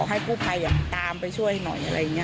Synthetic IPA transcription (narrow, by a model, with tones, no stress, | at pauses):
ɦa˥˩kuː˥˩pʰa˧jːaː˨˩ŋt̪aː˧mpa˧jt͡ɕʰu˥˩əjha˥˩jnɔ̰˨˩jʔa˧ɾa̰˧jːa˨˩ŋːi˦˥